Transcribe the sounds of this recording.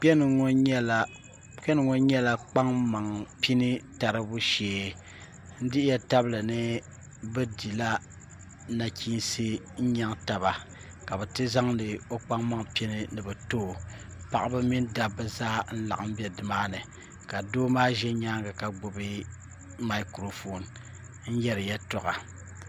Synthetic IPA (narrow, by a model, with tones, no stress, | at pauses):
k͡pɛ˦n˨ŋo˦ɲɛ˦la˨ | pɛ˦nɨ˨ŋo˦ɲɛ˦la˦k͡pa˦ŋma˨ŋpi˦nɨ˦ta˨ɾɨ˦bu˦ʃeː˨ | n̩˦dɪ˦ʔɪ˦jɛ˦ta˦blɨ˨nɨ˦ | bɛ˦di˨la˦ | na˨kʰi˦nsɨ˦ | ɲa˦ŋta˨βa˨ | ka˨bɛ˨tɨ˦za˦ŋnɨ˨o˦k͡pa˦ŋma˦ŋpi˦nɨ˦nɨ˨bɛ˨toː˦˨ | pa˨ʔa˦bɨ˦mi˦nda˦bɛ˨zaː˦n̩˦la̰˨ʔa˨m̩˦bɛ˦dɨ˨maː˦nɨ˨ | ka˨doː˦maː˦ʒɛ˦ɲa˦ŋɡa˨ka˨ɡ͡bo˨bɨ˦ | ma˨˦kɾo˨fo˨n | n̩˦jɛ˦ɾɨ˨jɛ˦tɔ˨ɣa˨